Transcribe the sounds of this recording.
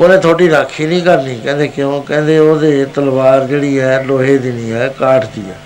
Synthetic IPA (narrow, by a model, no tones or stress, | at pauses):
oːnẽːt̪ʰoːʈiːɾaːkʰːiːnĩːkəɾniːkɛ̃ːnd̪eːkɪjõːkɛ̃ːnd̪eːoːd̪eːt̪əlʋaːɾd͡ʒeːɽiːɛːloːɦeːd̪ɪniːɛːkaːʈd̪ḭːɛ